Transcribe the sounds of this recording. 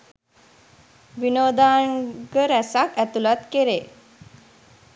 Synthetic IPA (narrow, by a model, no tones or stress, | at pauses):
ʋinod̪aɳɡəɾɛsakæt̪ulat̪keɾe